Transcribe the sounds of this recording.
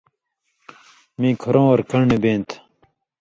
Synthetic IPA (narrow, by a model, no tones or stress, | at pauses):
mĩːkʰoɾõːwɐɾkɐɽɳebẽːnt̪ʰ